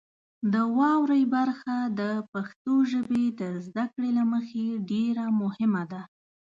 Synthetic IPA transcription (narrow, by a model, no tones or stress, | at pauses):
d̪əwɑwɾəjbaɾxad̪əpaxt̪oʒəbed̪əzd̪akɽelaməxeɖeɾamʊhɪmad̪a